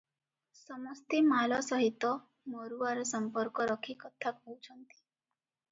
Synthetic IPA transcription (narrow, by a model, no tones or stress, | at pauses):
sɔmɔst̪imalɔsɔɦit̪ːɔ | mɔɾuaɾsəmpɔɾkɔɾɔkʰikɔt̪ʰːakɔwt͡ʃʰɔnt̪i̥